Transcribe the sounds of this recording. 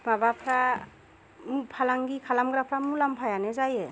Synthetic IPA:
babapʰɾa | mpʰalaŋɡikʰalamɡɾapʰɾamulampʰajanɛzajɛ

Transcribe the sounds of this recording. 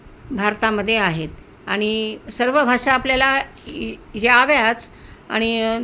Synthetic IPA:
bʱaɾt̪aməd̪ʱːjeaɦet̪ | aɽ̃isəɾʋəbʱaʂaːpljala | ɦeaʋjat͡sa̰ɽ̃i

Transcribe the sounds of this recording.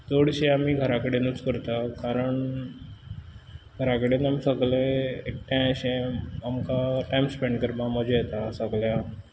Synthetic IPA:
d̪oɽɕeamiːɡʱəɾakəɽenut͡skəɾt̪akaɾəɳ | ɡʱəɾakəɽenamisəɡlẽek̚ʈʰjãɕẽamkaʈajmspẽɳɖkəɾmaməd͡ʑejet̪asəɡlja

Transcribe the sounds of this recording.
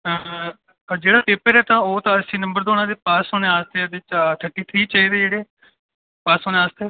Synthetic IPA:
ə | d͡ʒeːɽaːpeːpəɾɛːt̪ãːoːt̪ãːəsĩːnəmbəɾd̪oːnãːd̪eːpaːsoneːaːst̪eːəd̪et͡ʃʈʰəʈːiːt̪ʰɾiːt͡ʃaːiːd̪eːd͡ʒeːɽeː | paːsoːnẽːaːst̪eː

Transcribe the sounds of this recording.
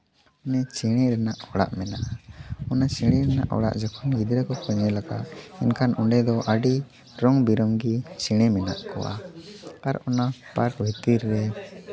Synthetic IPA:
ɔnɛt͡ʃɛɽ̃ɛɾɛnaʔhɔɽa̰ʔmɛnaʔaɔnat͡ʃɛɽ̃ɛɾɛna̰ʔhɔ̰ɽa̰ʔd͡ʒakʰɔnɡid̪ɾɛkɔkɔɲɛlaka̰ʔɛnkʰanʔɔɳɖɛd̪ɔʔaɖi | ɾɔŋbiɾɔŋɡit͡ʃɛɽ̃ɛmɛna̰ʔkɔ̰wa̰aɾɔnapaɾbʱit̪iɾːɛ

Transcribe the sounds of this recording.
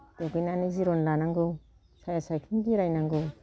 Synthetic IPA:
d̥eɡɯjnaniziɾɔnlanaŋɡɯw | sajasajkʰinɡiɾajnaŋɡɯw

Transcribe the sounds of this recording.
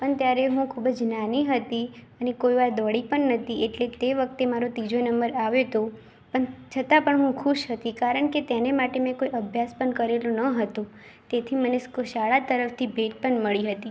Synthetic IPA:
pəɳt̪jaɾeɦũkʰubəd͡ʒnaniɦət̪iənekoiʋaɾd̪ɔɽipəɳːət̪ieʈlet̪eʋək̚t̪emaɾot̪id͡ʒonəmbəɾaʋet̪o | pəɳt͡ʃʰət̪apəɳɦũkʰuʃɦət̪ikaɾəɳket̪enemaʈemɛ̃koiəbʱjaspəɳkəɾelũnəɦət̪ũ | t̪et̪ʰiməneskoʃaɭat̪əɾəft̪ʰibʱeʈ̚pəɳməɭiɦət̪i

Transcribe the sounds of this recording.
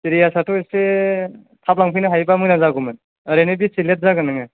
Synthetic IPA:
siɾijasatʰuese | tʰap̚laŋpʰɯjnɯɦajbamɯnazaɡumɯn | ɾenɯbisilet̚zaɡanɯŋa

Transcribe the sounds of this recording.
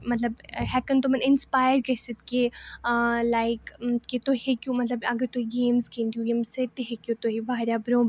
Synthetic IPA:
mɐt̪ləbɦɛkənt̪omɐnɪnspaːjəɾkɐsət̪ke | laːɪkket̪ohekjumɐt̪ləbɐɡəɾt̪oiɡeːmzkẽːnd̪iuɡeːmsset̪eɦekjut̪oɦibaːɾjabɾõːb

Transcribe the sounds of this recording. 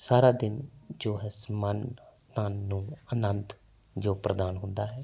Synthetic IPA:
saːɾaːd̪ɪnd͡ʒoːɦɛsmənst̪aːnːũːənənt̪ | d͡ʒoːpɾəd̪aːnɦʊnd̪aːɦɛː

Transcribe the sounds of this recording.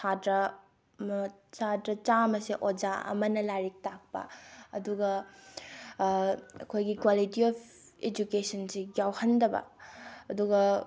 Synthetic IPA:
sʰadɾɐ | mɐsadɾɐt͡ʃamɐsiʔod͡ʒaɐ̰mɐnɐlaɾik̚tak̚pɐ̰ɐduɡɐ | ɐkʰojɡikwalitiɔpʰ | ed͡ʒukesɐnsiɡjawhɐndɐbɐ̰ɐduɡɐ

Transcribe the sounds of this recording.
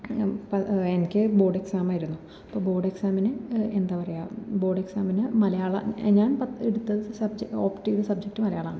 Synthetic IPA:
pɐenikʲːɨbo̞ːɖe̞ksaːmaːjiɾunːu | ɐpːoːbo̞ːɖe̞ksaːmɐnɨend̪aːpɐrɐjabo̞ːɖe̞ksaːmɐnɨmɐlɐjaːɭɐ̰ɲaːnpɐeɽut̪ːɐðɨsɐbd͡ʑeoːpʈːiuðɨsɐb̚d͡ʑek̚ʈːɨmɐlɐjaːɭa̰ːɳɨ

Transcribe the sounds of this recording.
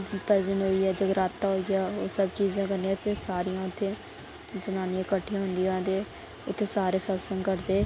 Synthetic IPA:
pɛːzənɦoːiːɛːd͡ʒəɡɾaːt̪ːaːɦoːiaːoːsəbt͡ʃiːzãːkənĩaːt̪ʰeːsaːɾijãːʊt̪ʰːeː | d͡ʒənaːnijãkəʈʰːijãːɦʊnd̪iãːd̪eː | ʊt̪ʰːeːsaːɾeːsəlsə̃ŋkəɾd̪eː

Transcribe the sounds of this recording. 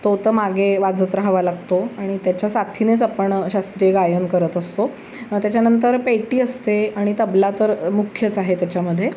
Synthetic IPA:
t̪ot̪əmaɡeʋad͡zət̪ɾəɦaʋalaɡt̪oaɽ̃it̪jat͡ɕjasat̪ʰinet͡sapəɳɕast̪ɾijeɡajənkəɾət̪əst̪o | t̪jat͡ɕjanənt̪əɾpeʈiːəst̪eaɽ̃it̪əblat̪əɾmukʰjət͡saɦet̪jat͡ɕjaməd̪ʱːje

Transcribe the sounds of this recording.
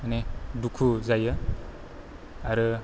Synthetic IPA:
anidukʰuzajɯ | aɾɯ

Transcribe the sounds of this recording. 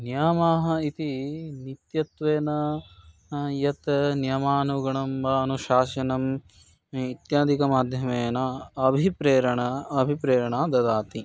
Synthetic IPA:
njaːmaːɦɐ̆it̪init̪jɐt̪ʋeːnɐ | jɐt̪njɐmaːnuɡɐɳɐmbɐɐnuʃaːʃɐnɐm | it̪jaːd̪ʱikɐmaːd̪ʱjɐmeːnɐɐbʱipɾeːɾɐɳɐɐbʱipɾeːɾɐɳaːd̪ɐd̪aːt̪i

